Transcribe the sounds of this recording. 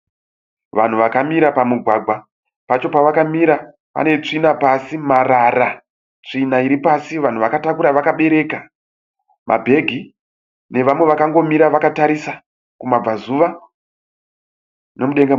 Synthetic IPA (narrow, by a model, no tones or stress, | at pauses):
ʋan̤uʋakamiɾapamuɡʱwaɡʱwa | pat͡ʃo̞paʋakamiɾa | pa̰ne̞t͡ʂinapasimarara | t͡ʂinaiɾipasiʋan̤uʋakatakuɾaʋakaɓe̞ɾe̞ka | mʔa̰bʱe̞ɡʱi | ne̞ʋamwe̞ʋakaŋɡo̞miɾaʋakataɾisa | kumab͡vazuʋa | ne̞muɗe̞ŋɡe